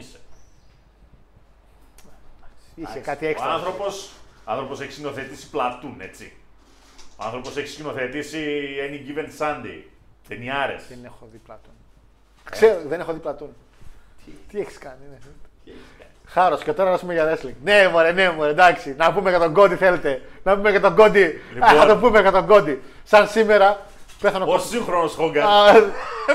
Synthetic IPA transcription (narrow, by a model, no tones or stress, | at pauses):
ise | ɐkisekɐt̪ieçisɐnθɾopo̞soɐnθɾopo̞se̞çi̥skino̞θet̪isi̥plɐt̪une̞̰t͡sḭ | oɐ̰nθɾo̞po̞se̞çi̥sino̞θet̪isieniɡivensɐnd̪ḭ | ðeniɐɾḛsðenexoðiplɐt̪un | kseɾoðenexoðiplɐt̪un | t̪ieçi̥skɐnineθelt̪e̥ | xɐɾoscet̪o̞ɾɐɐsumeʝɐɾe̞sliŋɡnemoɾenemoɾed̪ɐksinɐpumeket̪o̞ŋɡo̞d̪iθe̞let̪e̞nɐpumekɐt̪oɡo̞d̪iliɐt̪opumeket̪o̞ɡo̞d̪i | sɐnsime̞ɾɐ | peθɐnoossixɾonosxoŋɡɐɾ